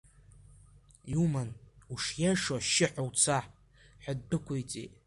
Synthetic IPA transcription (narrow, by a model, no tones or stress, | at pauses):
jiuumanuʂjaʂwaʃɪħʷawt͡sʰaħ | ħaddɨkʷʰojt͡sʼḛtʼ